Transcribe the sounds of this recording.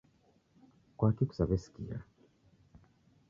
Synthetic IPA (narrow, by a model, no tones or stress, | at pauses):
kwakiku̥saβɛsi̥kia̰